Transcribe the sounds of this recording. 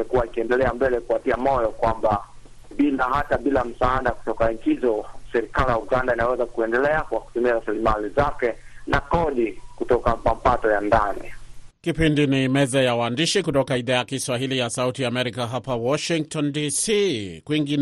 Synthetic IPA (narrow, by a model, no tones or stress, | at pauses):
ɛkuwaikiɛndɛlɛambɛlɛkuatiamɔjɔkwamba | ɓilahataɓilam̩saaɗaku̥tɔkaɲt͡ʃizɔsɛɾikalijauɡandainawɛzakuɛndɛlɛakwaku̥tumiaɾasilimalizakɛnakɔɗikutɔkapampatɔjandanḭkipindinimɛzajawandiʃikutɔkaiðaːjakiswaɦilijasautiamɛɾikaɦapawɔʃiŋktɔndisikwiŋɡin